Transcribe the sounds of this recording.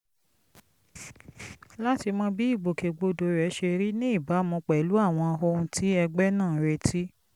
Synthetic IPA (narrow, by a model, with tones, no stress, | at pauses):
la˦ti˧mɔ̃˦bi˦i˦˨ɡ͡bo˨ke˨ɡ͡bo˧do˨ɾɛ˨˦ʃe˧ɾi˦nĩ˦i˦˨ba˨˦mɔ̃˧k͡pɛ˨˦lu˨˦a˦˨w̃ɔ̃˧a˧ɦo˧ũ˧tʰi˦ɛ˧ɡ͡bɛ˦nãː˦˨ɾe˧tʰi˦